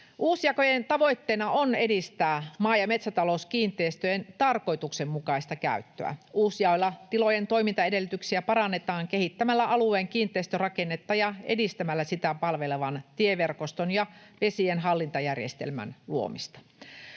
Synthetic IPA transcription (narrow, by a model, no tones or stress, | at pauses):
ʔuːsjɑkojent̪ɑʋo̞it̪ːeːnɑone̞dist̪æːmɑːjɑme̞t̪sæt̪ɑlouskiːnt̪ˑeːst̪øjent̪ɑrko̞jt̪uksemmukɑist̪ɑkæ̰yt̪ːø̰æ̰uːsjɑolːɑt̪ilojent̪o̞imint̪ɑedelːyt̪yksiæpɑɾɑnːet̪ɑːŋkehit̪ːæmælːæʔɑlueːŋkiːnt̪ˑeist̪ørɑkenːet̪ːɑjɑḛdist̪æmælːæsit̪æpɑlʋeleʋɑnt̪ieʋerkost̪onjɑʋesienɦɑlːint̪ɑjærjest̪ḛlmæ̰nluo̰mist̪ɑ̥